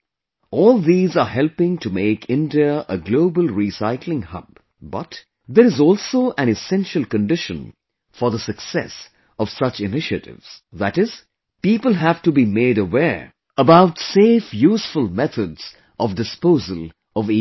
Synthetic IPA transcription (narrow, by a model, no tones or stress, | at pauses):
ɔːlˠðiːzəɦɛlpɪ̃ŋtʰumeɪkʰɪ̃ndiəəɡloʊbəlˠɹisaɪkʰlɪ̃ŋhʌ̰b̚ | bʌt | ðəɾɨzɔːlˠsoʊʔæ̃nɨsɛ̃nʃəlˠkɨ̃ndɪʃə̃n | fə˞ðəsɨksɛ̰s | ʌv̥sʌt͡ʃɪnɪʃə̰ɾɪ̰vz̥ðæɾɪz̥ | piːpəlˠɦæv̥tubimeɪɾəwɛɹ | əbaʊtseːfjuːsfəlˠmɛθʰədz̥ | ʔɔvdɨspoʊzəlˠ | ʌvi